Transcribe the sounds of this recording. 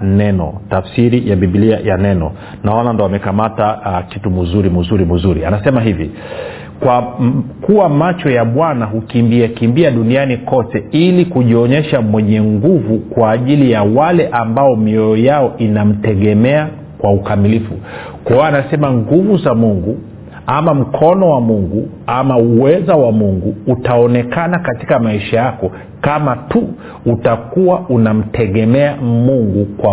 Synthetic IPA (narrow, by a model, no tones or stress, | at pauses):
nɛnɔ̰tafsiɾijaɓiɓiliajanɛnɔ̰ | naɔnandɔwamɛkamatakitumuzuɾimuzuɾimuzuɾḭanasɛmaɦivḭ | kwakuwamat͡ʃɔjaɓwanaɦukimbiakimbiaɗunianikɔtɛilikuʄiɔɲɛʃamwɛɲɛŋɡuvukwaːʄilijawalɛʔambaɔmiɔjɔjaɔʔinam̩tɛɠɛmɛa | kwaukamilifu | kɔanasɛmaŋɡuvuzamuŋɡu | amam̩kʰɔnɔwamuŋɡu | amauwɛzawamuŋɡuːtaɔnɛkanakati̥kamaiʃajakɔ | kamatu | utakuwaʔunam̩tʰɛɠɛmɛamuŋɡukwa